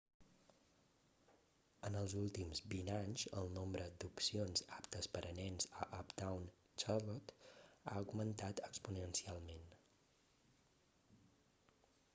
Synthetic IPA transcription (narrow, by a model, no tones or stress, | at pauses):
ənəlˠzulˠt̪imzbinaɲzəlˠnombɾəd̪upsionzapt̪əspəɾʔənɛnzə̰ʔɔpd̪awn | t͡ʃarlot̪a̰əɡmənt̪at̪əkspunənsialˠmen